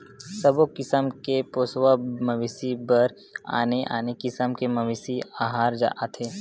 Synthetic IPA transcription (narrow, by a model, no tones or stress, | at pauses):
sɐbokɪsəmkepoːsʋamɐʋɪsibɐɾ | a̰ːneʔa̰ːnekɪsəmkemɐʋɪsiaːɦaːɾd͡ʒa̰ːʔat̪ʰɦeː